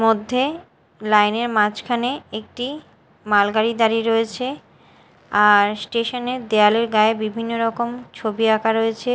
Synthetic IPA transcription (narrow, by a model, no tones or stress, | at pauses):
mod̪ʱːe | lajneɾmat͡ɕkʰaneek̚ʈi | malɡaɾid̪aɾiɾoet͡ɕʰe | aɾsʈeʃoned̪ealeɾɡaebibʱinːoɾɔkomt͡ɕʰobiakʰaɾoet͡ɕʰe